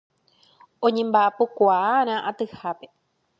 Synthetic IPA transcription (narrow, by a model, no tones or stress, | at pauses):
õɲẽ̞mbaʔapokʷaaɾ̃ãʔat̪ɨhape